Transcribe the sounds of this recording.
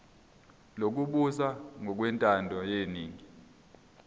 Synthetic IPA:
lok̬uɓusaŋɔk̬wɛntʼandʱɔjeniːŋi

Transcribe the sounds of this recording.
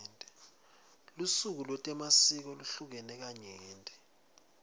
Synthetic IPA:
ntʼɛ | lusuk̬ulwɛtʼɛmasik̬ɔluɬuk̬ɛnɛk̬aɲeːntʼɛ

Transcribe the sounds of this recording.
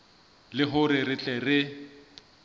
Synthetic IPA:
lɪɦʊɾɪrɪt͡ɬʼɛrɪ

